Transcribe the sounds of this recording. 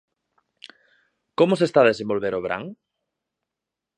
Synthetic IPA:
komosest̪aðesẽmbolβeɾoβ̞ɾa̰ŋ

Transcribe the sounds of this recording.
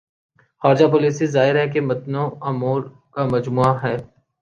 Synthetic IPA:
xaːɾd͡ʒapoːliːsizaːɪɾɦɛk̬emɐt̪nõɐmoːɾ | kamɐd͡ʒmuːaɦɛː

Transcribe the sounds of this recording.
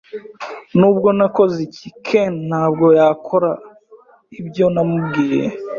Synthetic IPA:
nuːb̚ɡo̞nako̞zicikʰen̥haːb̚ɡo̞jaːkʰo̞ɾa | ibɟo̞namub̚ɡiːjḛ

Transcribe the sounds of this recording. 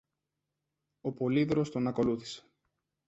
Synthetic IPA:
o̞po̞liðɾo̞st̪o̞nɐko̞luθi̥se̥

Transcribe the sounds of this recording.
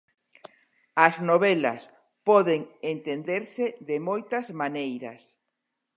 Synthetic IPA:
ɐznoβɛlɐ̰s | pɔðeŋent̪end̪eɾseðemojt̪ɐzmanejɾɐ̰s

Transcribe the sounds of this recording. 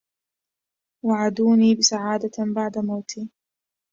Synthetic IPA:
waʕad̪uːniːbɪsaʕaːd̪abaʕd̪amawt̪ʰiː

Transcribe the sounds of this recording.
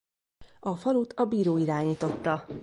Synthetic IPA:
ɒfɒlut̪ʰɒbiːɾoːiɾaːɲiːt̪o̞t̪ːɒ

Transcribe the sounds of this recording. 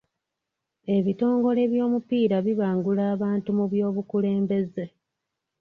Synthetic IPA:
e̞βito̞ːŋɡo̞le̞βjo̞ːmupiːɾaβiβaːŋɡulaːβaːntumuβjo̞ːβukule̞ːmbe̞ze

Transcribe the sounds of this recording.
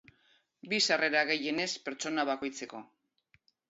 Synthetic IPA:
bisare̞ɾaɣe̞je̞ne̞spe̞ɾt͡so̞naβako̞jt͡se̞ko̞

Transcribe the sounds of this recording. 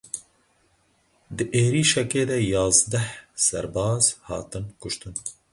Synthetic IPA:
d̪ɨʔeːɾiːʃɛkeːd̪ɛjɑːzd̪ɛhsɛ̰ɾbɑːz̥hɑ̰ːt̪ɨnkʊʃt̪ɨn

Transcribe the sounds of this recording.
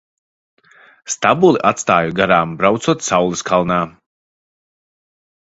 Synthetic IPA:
st̪abulˠiʔat̪st̪aːjuɡaɾaːmbɾawt̪suɔt̪sawlˠiskʰalˠnaː

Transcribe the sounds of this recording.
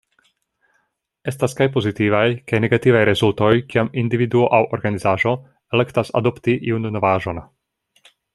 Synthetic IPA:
e̞staskajpo̞zitivajkajneɡativajɾezult̪o̞jkiamind̪ividuoʔawʔoɾɡanizaːʒo̞ | elekt̪asa̰do̞pt̪iʔiunnovaːʒo̞n

